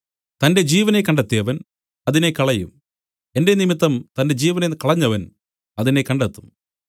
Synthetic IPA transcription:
t̪ɐnde̞d͡ʑiːʋɐne̞kːɐɳɖɐt̪ːijɐʋɐn | ɐðinekɐɭɐjṵm | e̞nde̞nimit̪ːɐmt̪ɐnde̞d͡ʑiːʋɐnekɐɭɐɲːɐʋɐn | ɐðine̞kɐɳɖɐt̪ːum

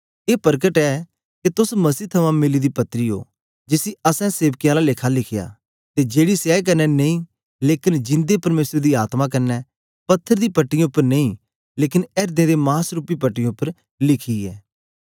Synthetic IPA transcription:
eːpəɾɡəʈɛː | ket̪ʊsmɐsiːt̪ʰɐmãmɪlid̪ipɐt̪ːɾiɦo̰ː | d͡ʒɪsiɐsɛ̃seːʋkɪjãlaleːkʰalɪkʰɪja̰ː | t̪ed͡ʒeːɽisjaːek̬ɐɾnɛnẽĩ | leːkɪnd͡ʒɪ̃nd̪epɐɾmeːsəɾd̪iaːt̪mãkɐɾnɛ | pɐt̪ʰːəɾd̪iːpɐʈːijãʊpːəɾneĩ | leːkɪnɛːɾd̪ẽd̪emãːsɾupːipəʈːɪjãʊpːəɾ | lɪkʰiɛ̰ː

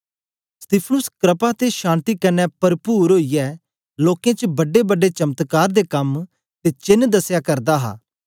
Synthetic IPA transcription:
st̪iːpʰnʊskɾəpat̪eʃãːnt̪ikɐnɛ̃pɐɾpuːɾɦoːijɛː | loːkẽːt͡ʃbɐɖebəɖet͡ʃɐmt̪kaːɾd̪ekɐm | t̪et͡ʃɪnd̪ɐsjakɐɾd̪aɦa̰ː

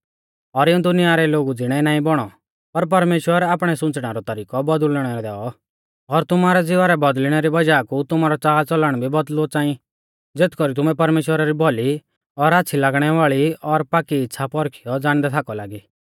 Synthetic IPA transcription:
ɔɾɪũd̪ʊnɪjaɾɛloːɡud͡zɪɽ̃ɛnaːĩbɔɽ̃ɔ | pɐɾp̬ɐɾmeːʃwəɾaːpɽ̃ɛsʊ̃t͡sɽ̃aɾɔt̪ɐɾiːkɔbɔd̪lɽ̃ɛɾɔd̪ɛːɔ | ɔɾt̪ʊmaːɾɛd͡zɪʋaɾɛbɐd̪lɽ̃ɛɾibɐd͡ʒaːkut̪ʊmaːɾɔt͡saːlt͡sɔlaːɽ̃bʱibɔd̪lot͡saːĩ | d͡zet̪kɔɾit̪̬ʊmɛpɐɾmeːʃwəɾaɾibʱɔli | ɔɾatːt͡ʃʰilaːɡɽ̃ɛʋaːɭiɔɾpaːkiːtːsʰapɔɾkʰijɔd͡zaːɽ̃d̪ɛt̪ʰaːkɔlaːɡiː

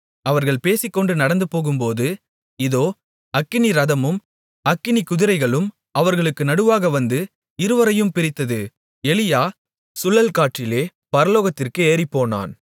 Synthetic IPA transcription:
ɐʋɐɾɣɐɭpeːsɪkːɔɳɖɯnɐɽɐnd̪ɯpoːɣɯmpoːðɯ | ɪðoː | ɐkːɪniɾɐðɐmɯm | ɐkːɪnikʊðɪɾɐɪɣɐɭɯm | ɐʋɐɾɣɐɭɯkːɯnɐɽɯʋaːɣɐʋɐnd̪ɯ | ɪɾɯʋɐɾɐjɯmpɪɾɪt̪ːɐðɯ | ɛlɪjaː | sʊlːɐlkaːʈt͡ʃːɪleː | pɐɾɐloːɣɐt̪ːɪrkɯeːɾɪpːoːna̰ːn

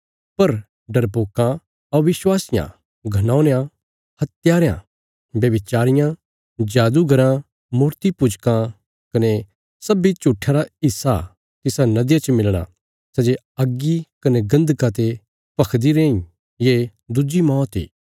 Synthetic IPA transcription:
pɐɾ | ɖɐɾpoːkːã | ɐʋɪswaːsɪjã̰ | ɡʱɐnãːʊnjã | hɐt̪jaːɾjã̰ː | bjɐbɪt͡ʃaːɾɪjã | d͡ʒaːd̪uɡɐɾã | muːɾt̪ipʊd͡ʒkã | kɐne | sɐbit͡ʃuʈʰːaɾaɪsːa̰ | t̪ɪsanɐd̪jãt͡ʃmɪlɽ̃a̰ | sɛd͡ʒe | ɐɡːikɐneɡɐ̃nd̪kat̪̬e | pɐkʰd̪iɾẽːĩ | jed̪ud͡ʒimɔːt̪ḭː

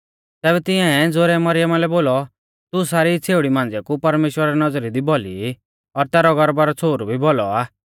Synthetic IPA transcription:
t̪ɛːβɛt̪ɪɛ̃ɛd͡zoːɾɛmɐɾɪjəmalɛboːlɔ | t̪usaːɾit͡sʰeːʊɽimãːnd͡zɛkupɐɾmeːʃwəɾaɾɛnɐd͡zɾid̪ibɔlḭ | ɔɾt̪ɛːɾɔɡɔɾbaɾɔt͡sʰoːɾubʱibɔlɔaː

